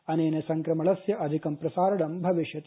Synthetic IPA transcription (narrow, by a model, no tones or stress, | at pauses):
ɐneːnɐsɐŋkɾɐmɐlɐsjɐʔɐd̪ʱikɐmpɾɐsaːɾɐɳɐmbʱɐʋiʃjɐt̪